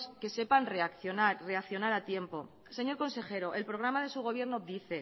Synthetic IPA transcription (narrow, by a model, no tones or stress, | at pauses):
ske̞se̞panre̞akθjonaɾre̞akθjo̞naɾat̪je̞mpo̞ | se̞ɲo̞ɾko̞nse̞xe̞ɾo̞ʔe̞lpɾo̞ɣ̞ɾamaðe̞suɣ̞o̞β̞je̞ɾnoːp̚d̪iθe̞